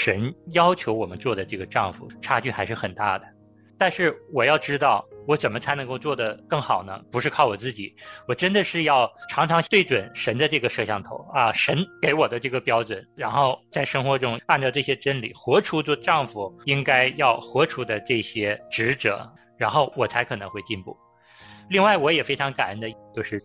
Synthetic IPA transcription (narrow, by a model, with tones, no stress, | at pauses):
ʂə˧˥njɑ˥ʊt͡ɕʰjo˧˥ʊwɔ˨˩mə˦nt͡swɔ˥˩d̪ə˩ʈ͡ʂɤ˥˩ɡə˩ʈ͡ʂɑ˥˩ŋfṵ˨˩ʈ͡ʂʰa˥t͡ɕy˥˩xa˧˥ʂɻ̩˥˩xə˨˩nt̪a̰˥˩d̪ə˩ | t̪a˥˧nʂɻ̩˥˩wɔ˨˩jɑ˥˩ʊʈ͡ʂɻ̩˥t̪ɑ˥˩ʊwɔ˧˥ʈ͡ʂə˨˩nmə˦t͡sʰa˧˥ɪnɤ˧˥ŋko˥˧ʊt͡swɔ˥˩d̪ə˩kɤ˥˩ŋxɑ˨˩ʊnə̰˦pu˧˥ʂɻ̩˥˧kʰɑ˥˩ʊwɔ˨˩t͡sɹ̩˥˩t͡ɕi˨˩˦wɔ˨˩ʈ͡ʂə˥nd̪ə˨ʂɻ̩˥˧jɑ˥˩ʊʈ͡ʂʰɑ˧˥ŋʈ͡ʂʰɑ˧˥ŋt̪we˥˩ɪʈ͡ʂwə˨˩nʂə˧˥nd̪ə˧ʈ͡ʂɤ˥˩ɡə˩ʂɤ˥˧ɕjɑ˥˩ŋt̪ʰo̰˧˥ʊɐ˧ʂə˧˥nke˧˥ɪwɔ˨˩d̪ə˦ʈ͡ʂɤ˥˩ɡə˩pjɑ˥ʊʈ͡ʂwə˨˩˦nɻa˧˥nxo˥˧ʊt͡sa˥˩ɪʂɤ˥ŋxwɔ˧˥ʈ͡ʂʊ˥ŋa˥˧nʈ͡ʂɑ˥˧ʊʈ͡ʂɤ˥˩ɕjɛ˥ʈ͡ʂə˥nlḭ˨˩xwɔ˧˥ʈ͡ʂʰu˥t͡sɔ˥˧ʈ͡ʂɑ˥˩ŋfu˨˩i˥ŋka˥ɪjɑ˥˩ʊxwɔ˧˥ʈ͡ʂʰu˥d̪ə˧ʈ͡ʂɤ˥˩ɕjɛ˥ʈ͡ʂɻ̩˧˥ʈ͡ʂɤ̰˨˩˦ | ɻa˧˥nxo˥˩ʊwɔ˨˩t͡sʰa˧˥ɪkʰɤ˨˩nɤ˧˥ŋxwe˥˧ɪt͡ɕi˥˧npu˥˩ | li˥˧ŋwa˥˩ɪwɔ˧˥jɛ˨˩fe˥ɪʈ͡ʂʰɑ˧˥ŋka˨˩nə˧˥nd̪ə˧t͡ɕjo˥˧ʊʂɻ̩˥˩